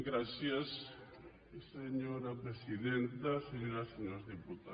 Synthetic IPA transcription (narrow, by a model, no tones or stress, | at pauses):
ɡɾasjas | seɲoɾapɾesiðent̪aseɲoɾaseɲoɾzðiput̪a